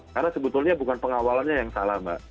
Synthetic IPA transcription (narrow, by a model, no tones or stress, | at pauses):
karnasəbət̪ʊlɲabukanpəŋawalanɲajaŋsalahma̰